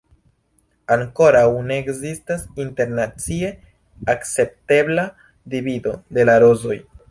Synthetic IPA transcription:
aŋko̞ɾawne̞ːkzistasinte̞ɾnat͡sie̞ | akt͡se̞p̚te̞bla | divido̞de̞laɾo̞zo̞j

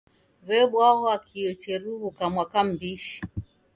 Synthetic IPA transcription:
βɛɓwaɦɔakʰiɔt͡ʃɛɾuβukamwakam̩biʃi̥

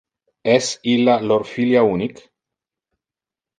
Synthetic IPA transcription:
esilːaloɾfiljaunik

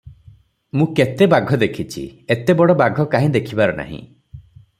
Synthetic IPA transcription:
mũket̪ebaɡʱɔd̪ekʰit͡ʃʰḭet̪ebɔɽɔbaɡʱɔkaɦĩd̪ekʰibaɾɔna̰ɦḭ̃

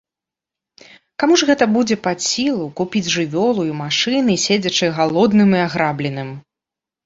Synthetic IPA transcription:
kamuʐɣɛt̪ɐbud͡zʲɛpasʲilˠukupʲid͡zʲʐɨvʲɔlˠujmaʂɨnɨsʲed͡zʲɐt͡ʂɨɣalˠɔd̪nɨmiaɣɾablʲɛnɨm

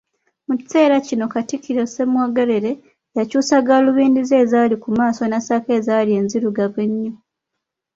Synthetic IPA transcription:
muci̥t͡se̞ːɾacino̞katikiɾese̞mwoɡeɾe̞ɾe̞ | jacuːsaɡaluβiːndize̞ːzaːlikumaːso̞nasake̞ːzaːlie̞ːnziɾuɡaβeɲːo

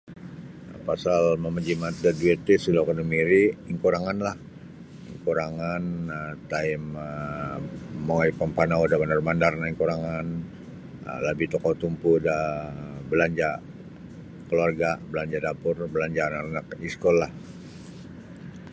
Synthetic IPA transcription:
pasalməməd͡ʒimat̪̚daduet̪isilokanəmiɾiiŋkuɾaŋanlah | iŋkuɾaŋanət̪aimə | oaipampanaudabandarmandarnaiŋkuɾaŋan | ə̰labit̪ɔkɔt̪umpudabəlaɲd͡ʒa | kəluarɡabəlaɲd͡ʒadapʊrbəlaɲd͡ʒaːnaanakiskɔlah

